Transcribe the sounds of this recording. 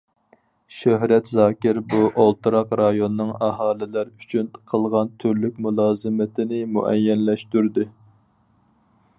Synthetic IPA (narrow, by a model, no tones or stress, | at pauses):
ʃøɦɾɛt̪zɑːkʲɪɾbuʔolˠt̪ʰɨɾɑqɾɑjonɨːɨŋɑɦɑːlɪlæɾyt͡ʃʰynqʰəlˠʁɑnt̪ʰyɾlyk̚ʲmulˠɑːzɨmɪt̪ʰɪnɪmṵʔɛ̰jːɛnlɛʃt̪yɾd̪ɨ